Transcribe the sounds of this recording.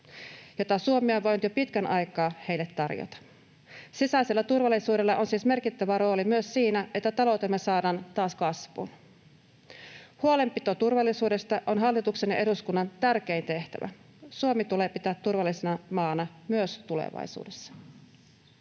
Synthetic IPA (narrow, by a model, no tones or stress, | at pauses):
jot̪ɑsuomioʋʋojnut̪jopit̪kænʔɑjkɑːhejlːet̪ːɑrjo̰t̪ɑ̥ | sisæselːæt̪urʋɑlːˑisuːde̞lːɑʔonsiːsme̞rkit̪ːæʋæɾo̞ːlimyøssiːnæet̪ːæt̪ɑlowt̪emːesɑːdɑːnt̪ɑːskɑsʋṵn | huole̞mpit̪o̞t̪urʋɑlːisuːde̞st̪ɑʔonɦɑlːit̪ukse̞njɑʔeduskunːɑnt̪ærk̟eint̪e̞ht̪æ̰ʋæ̰ | suomit̪uleːpit̪æːt̪ːurʋɑlːisenɑmɑːnɑmyøst̪ulḛʋɑ̰jsṵːdesːɑ̥